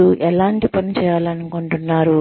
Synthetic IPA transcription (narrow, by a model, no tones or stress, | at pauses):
uʔɛlaːɳʈipɐnit͡ʃɛːjaːlɐnuko̞ɳʈunːaːɾu